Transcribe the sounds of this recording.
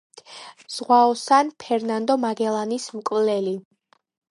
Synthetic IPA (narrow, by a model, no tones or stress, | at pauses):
z̥ʁwaɔsanpʰɛɾnand̪ɔmaɡɛlˠanismkʼvlɛli